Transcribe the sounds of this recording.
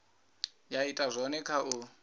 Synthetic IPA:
jaitʼazʷɔnɛkʰau

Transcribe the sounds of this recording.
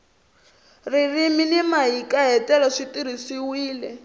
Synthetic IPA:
ririminimaɦikʼaɦɛtʼɛlɔʂitiɾisiwiːlɛ

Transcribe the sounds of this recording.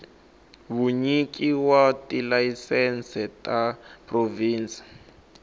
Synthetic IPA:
βuɲikiwatilaisɛnsɛtʼapʰʼroviːnt͡si̥

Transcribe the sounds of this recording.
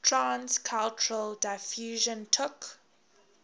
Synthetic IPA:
tʰɹãnskʰalt͡ʃʊɹəldaɪfjuːʒə̃ntʰʊk

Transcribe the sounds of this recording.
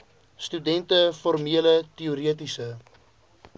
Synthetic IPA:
stydɛntəfɔrmiələtiuɾiətisə

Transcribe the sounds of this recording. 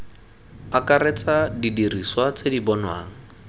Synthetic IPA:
akaret͡sʼadidiriswat͡sedibɔnwa̰ːŋ̩

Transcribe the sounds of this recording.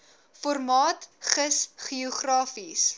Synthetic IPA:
fɔrmɑːtχəsχiɔχrɑːfis

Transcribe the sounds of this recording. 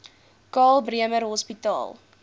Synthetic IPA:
kɑːlˠbriəmərɦɔspitɑ̰ːlˠ

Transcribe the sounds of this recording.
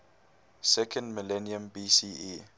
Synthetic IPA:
sɛkʰə̃ndməlɛniə̃mbisiːi

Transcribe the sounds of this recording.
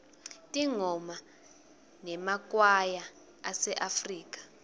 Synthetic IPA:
tʼiŋɔma | nɛmak̬ʼwaja | asɛʔafriːkʼḁ

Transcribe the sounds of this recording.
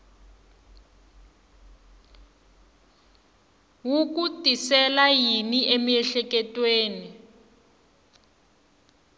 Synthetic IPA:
wuk̬utʼisɛlajiniʔemiɛɬɛkɛtʼweːni

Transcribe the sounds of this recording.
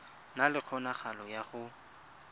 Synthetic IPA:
nalɪk͡xʰɔnaχalɔjaχʊ

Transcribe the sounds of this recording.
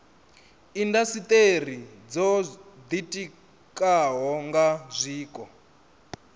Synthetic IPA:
indasit̪ʼer̤id͡zɔd̪itʼi | kʼaɦɔŋɡazʷiːkʼɔ

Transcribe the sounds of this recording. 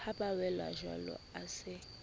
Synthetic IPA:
apʼawɛla̰ʒwa̰lɔ̰asɪ

